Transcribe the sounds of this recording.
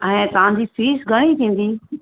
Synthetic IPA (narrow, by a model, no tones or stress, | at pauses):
ɛ̃ːt̪ɐʋãnd͡ʑiːfiːsɡʱəɽ̃it̪ʰĩːn̆d̪iː